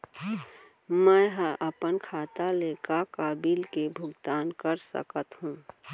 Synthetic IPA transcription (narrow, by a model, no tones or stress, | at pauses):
məɦəʔəpənkʰaːt̪alekakabilkebʱʊɡt̪aːnkəɾsə̰kət̪ɦũ